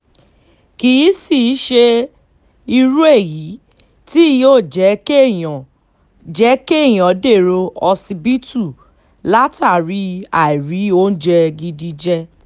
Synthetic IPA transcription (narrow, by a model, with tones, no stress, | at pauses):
ki˨i˨˦si˦˨˦ʃe˧ | i˧ɾu˦e˦˨ji˨˦ | ti˦˧joː˦˨d͡ʒɛ˨˦kee˦˨j̃ã˨ | d͡ʒɛ˨˦ke˦˨j̃ɔ̃˨˦de˦˨ɾo˧ɔ˧si˧bi˦tu˦˨ | la˦ta˦˨ɾi˨˦a˨i˨ɾi˨˦o˦n̩˦d͡ʒɛ˧ɡi˧di˧d͡ʒɛ˧